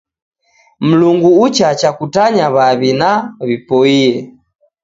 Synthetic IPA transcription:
m̩luŋɡuut͡ʃat͡ʃakutaɲaβaβinaβipɔiɛ

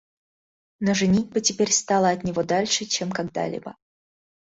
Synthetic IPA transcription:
noʐɨnʲitʲbɨtʲɪpʲeɾʲst̪ɑlˠəɐt̪nʲɪvo̞d̪alʲʂɨt͡ɕemkɐɡd̪a̰lʲḭbə̰

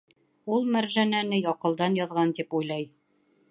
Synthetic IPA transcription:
ulˠmæɾʒænænɘjɑqɤ̆lˠd̪ɑnjɑðʁɑnt̪ipujlˠɑj

